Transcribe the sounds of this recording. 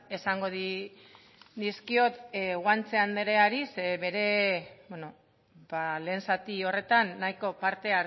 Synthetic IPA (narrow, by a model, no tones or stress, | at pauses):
e̞saŋɡo̞ði | d̪iskio̞t̪ɣwant͡se̞and̪eɾe̞aɾiseβe̞ɾe̞beno̞ | bale̞ːnsat̪io̞re̞t̪anːajko̞paɾt̪e̞a